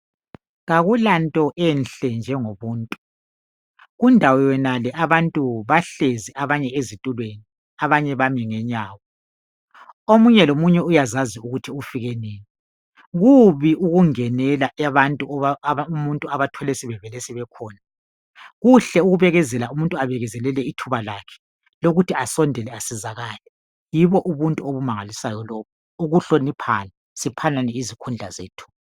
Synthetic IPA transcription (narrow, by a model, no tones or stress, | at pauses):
ɣaɣulantʼɔʔɛnɬɛnd͡ʒʱɛŋoβuːntʼu̥ | ɣundʱawɔjɛnalɛʔaβantʼuβaɬeziʔaβaɲɛezitʼulweni | aβaɲɛβamiŋɛɲaːwɔ | omuɲɛlomuɲɛujazaziuɣutʰiufiɣɛneːni | ɣuβiʔuɣuŋɛnɛlaʔɛβantʼuumuntʼuaβatʰɔlɛsiβɛvɛlɛsɛβɛkʰɔːna | ɣuɬɛuɣuβɛɣɛzɛlaumuntʼuaβɛɣɛzɛlɛlɛitʰuβalakʰɛ̥ | loɣutʰiasɔndʱɛlɛasizaɣaːlɛ | jiβɔʔuβuntʼuoβumaŋalisajɔlɔːβu | uɣuɬonipʰa̰la | sipʰananɛizikʰund͡ɮʱa̰zḛːtʰu̥ːβa